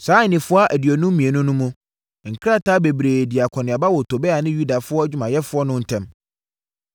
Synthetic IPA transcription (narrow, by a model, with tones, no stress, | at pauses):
saː˨˦ɲ˨nɪ̃˨fʊ˦a˦ʔæ˨di˨ɔ˨nʊ̃˦m̩˦mĩ˨e˨nʊ̃˦nʊ̃˦mũ˦ | ŋ̩˨kʰɾa˦tʰaː˦be˨bɾeː˨di˨a˨kʰɔ˨nɪ̃˨a˨ba˦wɔ˨tʰo˨bɛ˦a˨nɪ̃˦ju˦da˨fʊ˦ɔ˦d͡ʑᶣu˦mã˨jɛ˦fʊ˦ɔ˦nʊ̃˦n̩˨tʰɛ̃˦m